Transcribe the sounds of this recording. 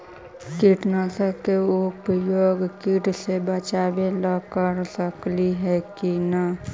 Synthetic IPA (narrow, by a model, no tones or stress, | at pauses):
kiʈnəsəkeʊpəjoːɡkiʈsebət͡ʃaːbeləkəɾsəkliɦɛkina